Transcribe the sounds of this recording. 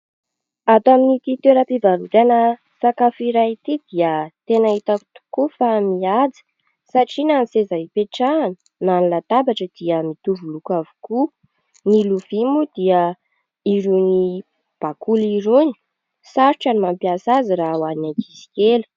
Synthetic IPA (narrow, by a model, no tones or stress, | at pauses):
at̪aminit̪it̪eɾəpivalut̪anə | sakafiɾait̪id̪̥iət̪enait̪aku̥t̪u̥kufamiad͡zi̥ | saʈ͡ʂinanisezaipeʈ͡ʂanə̥ | nanilət̪abaʈ͡ʂəd̪̥iəmit̪uvulukavu̥ku | niluv̥imud̪̥iə | iɾuni | b̥akuliɾuni̥ | saɾuʈ͡ʂanimampjasaziɾawanaɡisi̥kʲelu̥